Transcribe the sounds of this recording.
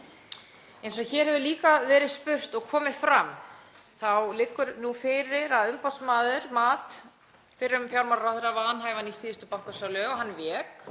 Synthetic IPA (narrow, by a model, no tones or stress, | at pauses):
ɛjns̬ɔçɛːɾhɛvʏliːkavɛːɾɪðspʏr̥t̪ɔɣkʰɔːmɪðfɾam | θawlɪkːʏɾnufɪɾɪɾaðʏmpasmaːðʏɾ̥maːt̪ | fɪɾɪɾʏmfjawɾmaɾɾawθɾavanɦaːjvanisiːðʏst̪ʏpawŋ̥kasalʏɔɦanːvɛːk